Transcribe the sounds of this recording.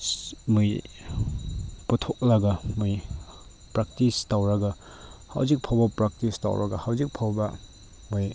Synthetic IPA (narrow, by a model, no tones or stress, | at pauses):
muj | pɐtʰok̚lɐɡamuj | pɾak̚tistawɾɐɡa | ha̰wzik̚pʰawbɐpɾak̚tista̰wɾʔa̰ɡahawzik̚pʰawbɐ | muj